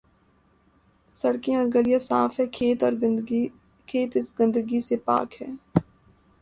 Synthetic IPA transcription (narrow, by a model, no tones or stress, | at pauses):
sɐɽkẽɔːɾɡəlijasaːfɦɛkʰeːt̪ɔːɾ | kʰeːt̪ɪsɡə̃nd̪əɡisepa̰ːkɦɛː